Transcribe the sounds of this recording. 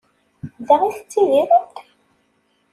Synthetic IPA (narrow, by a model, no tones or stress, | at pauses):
ðaʁiθt͡sːiðiɾət̪